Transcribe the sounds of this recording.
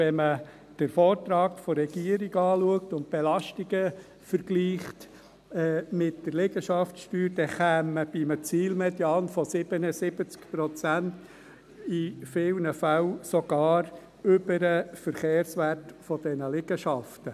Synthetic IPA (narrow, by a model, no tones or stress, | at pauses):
vɛmə | d̥əɾfɔːrtɾɑːkfɔɾɛɡ̥iəɾiɡɑːluəktʊnt̚b̥elɑʃtiɡə | fəɾɡ̥liːχt | ɛmɪtd̥ərlɪɡəʃɑftʃtyːɾd̥ɛχæːmːəb̥imət͡siːlmɛdjɑːnfɔsɪb̥ənəsɪb̥ət͡skpɾɔt͡sænt | ifɪlnəfæwsɔɡ̥ɑːɾ | ʏbəɾəfəɾχeːɾsʋærtfɔd̥ɛnəlɪɡəʃɑftə